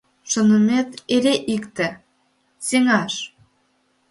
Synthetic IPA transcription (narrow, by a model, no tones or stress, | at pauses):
ʃŏnəmet̪eɾeʔikt̪ĕ | seŋɑʃ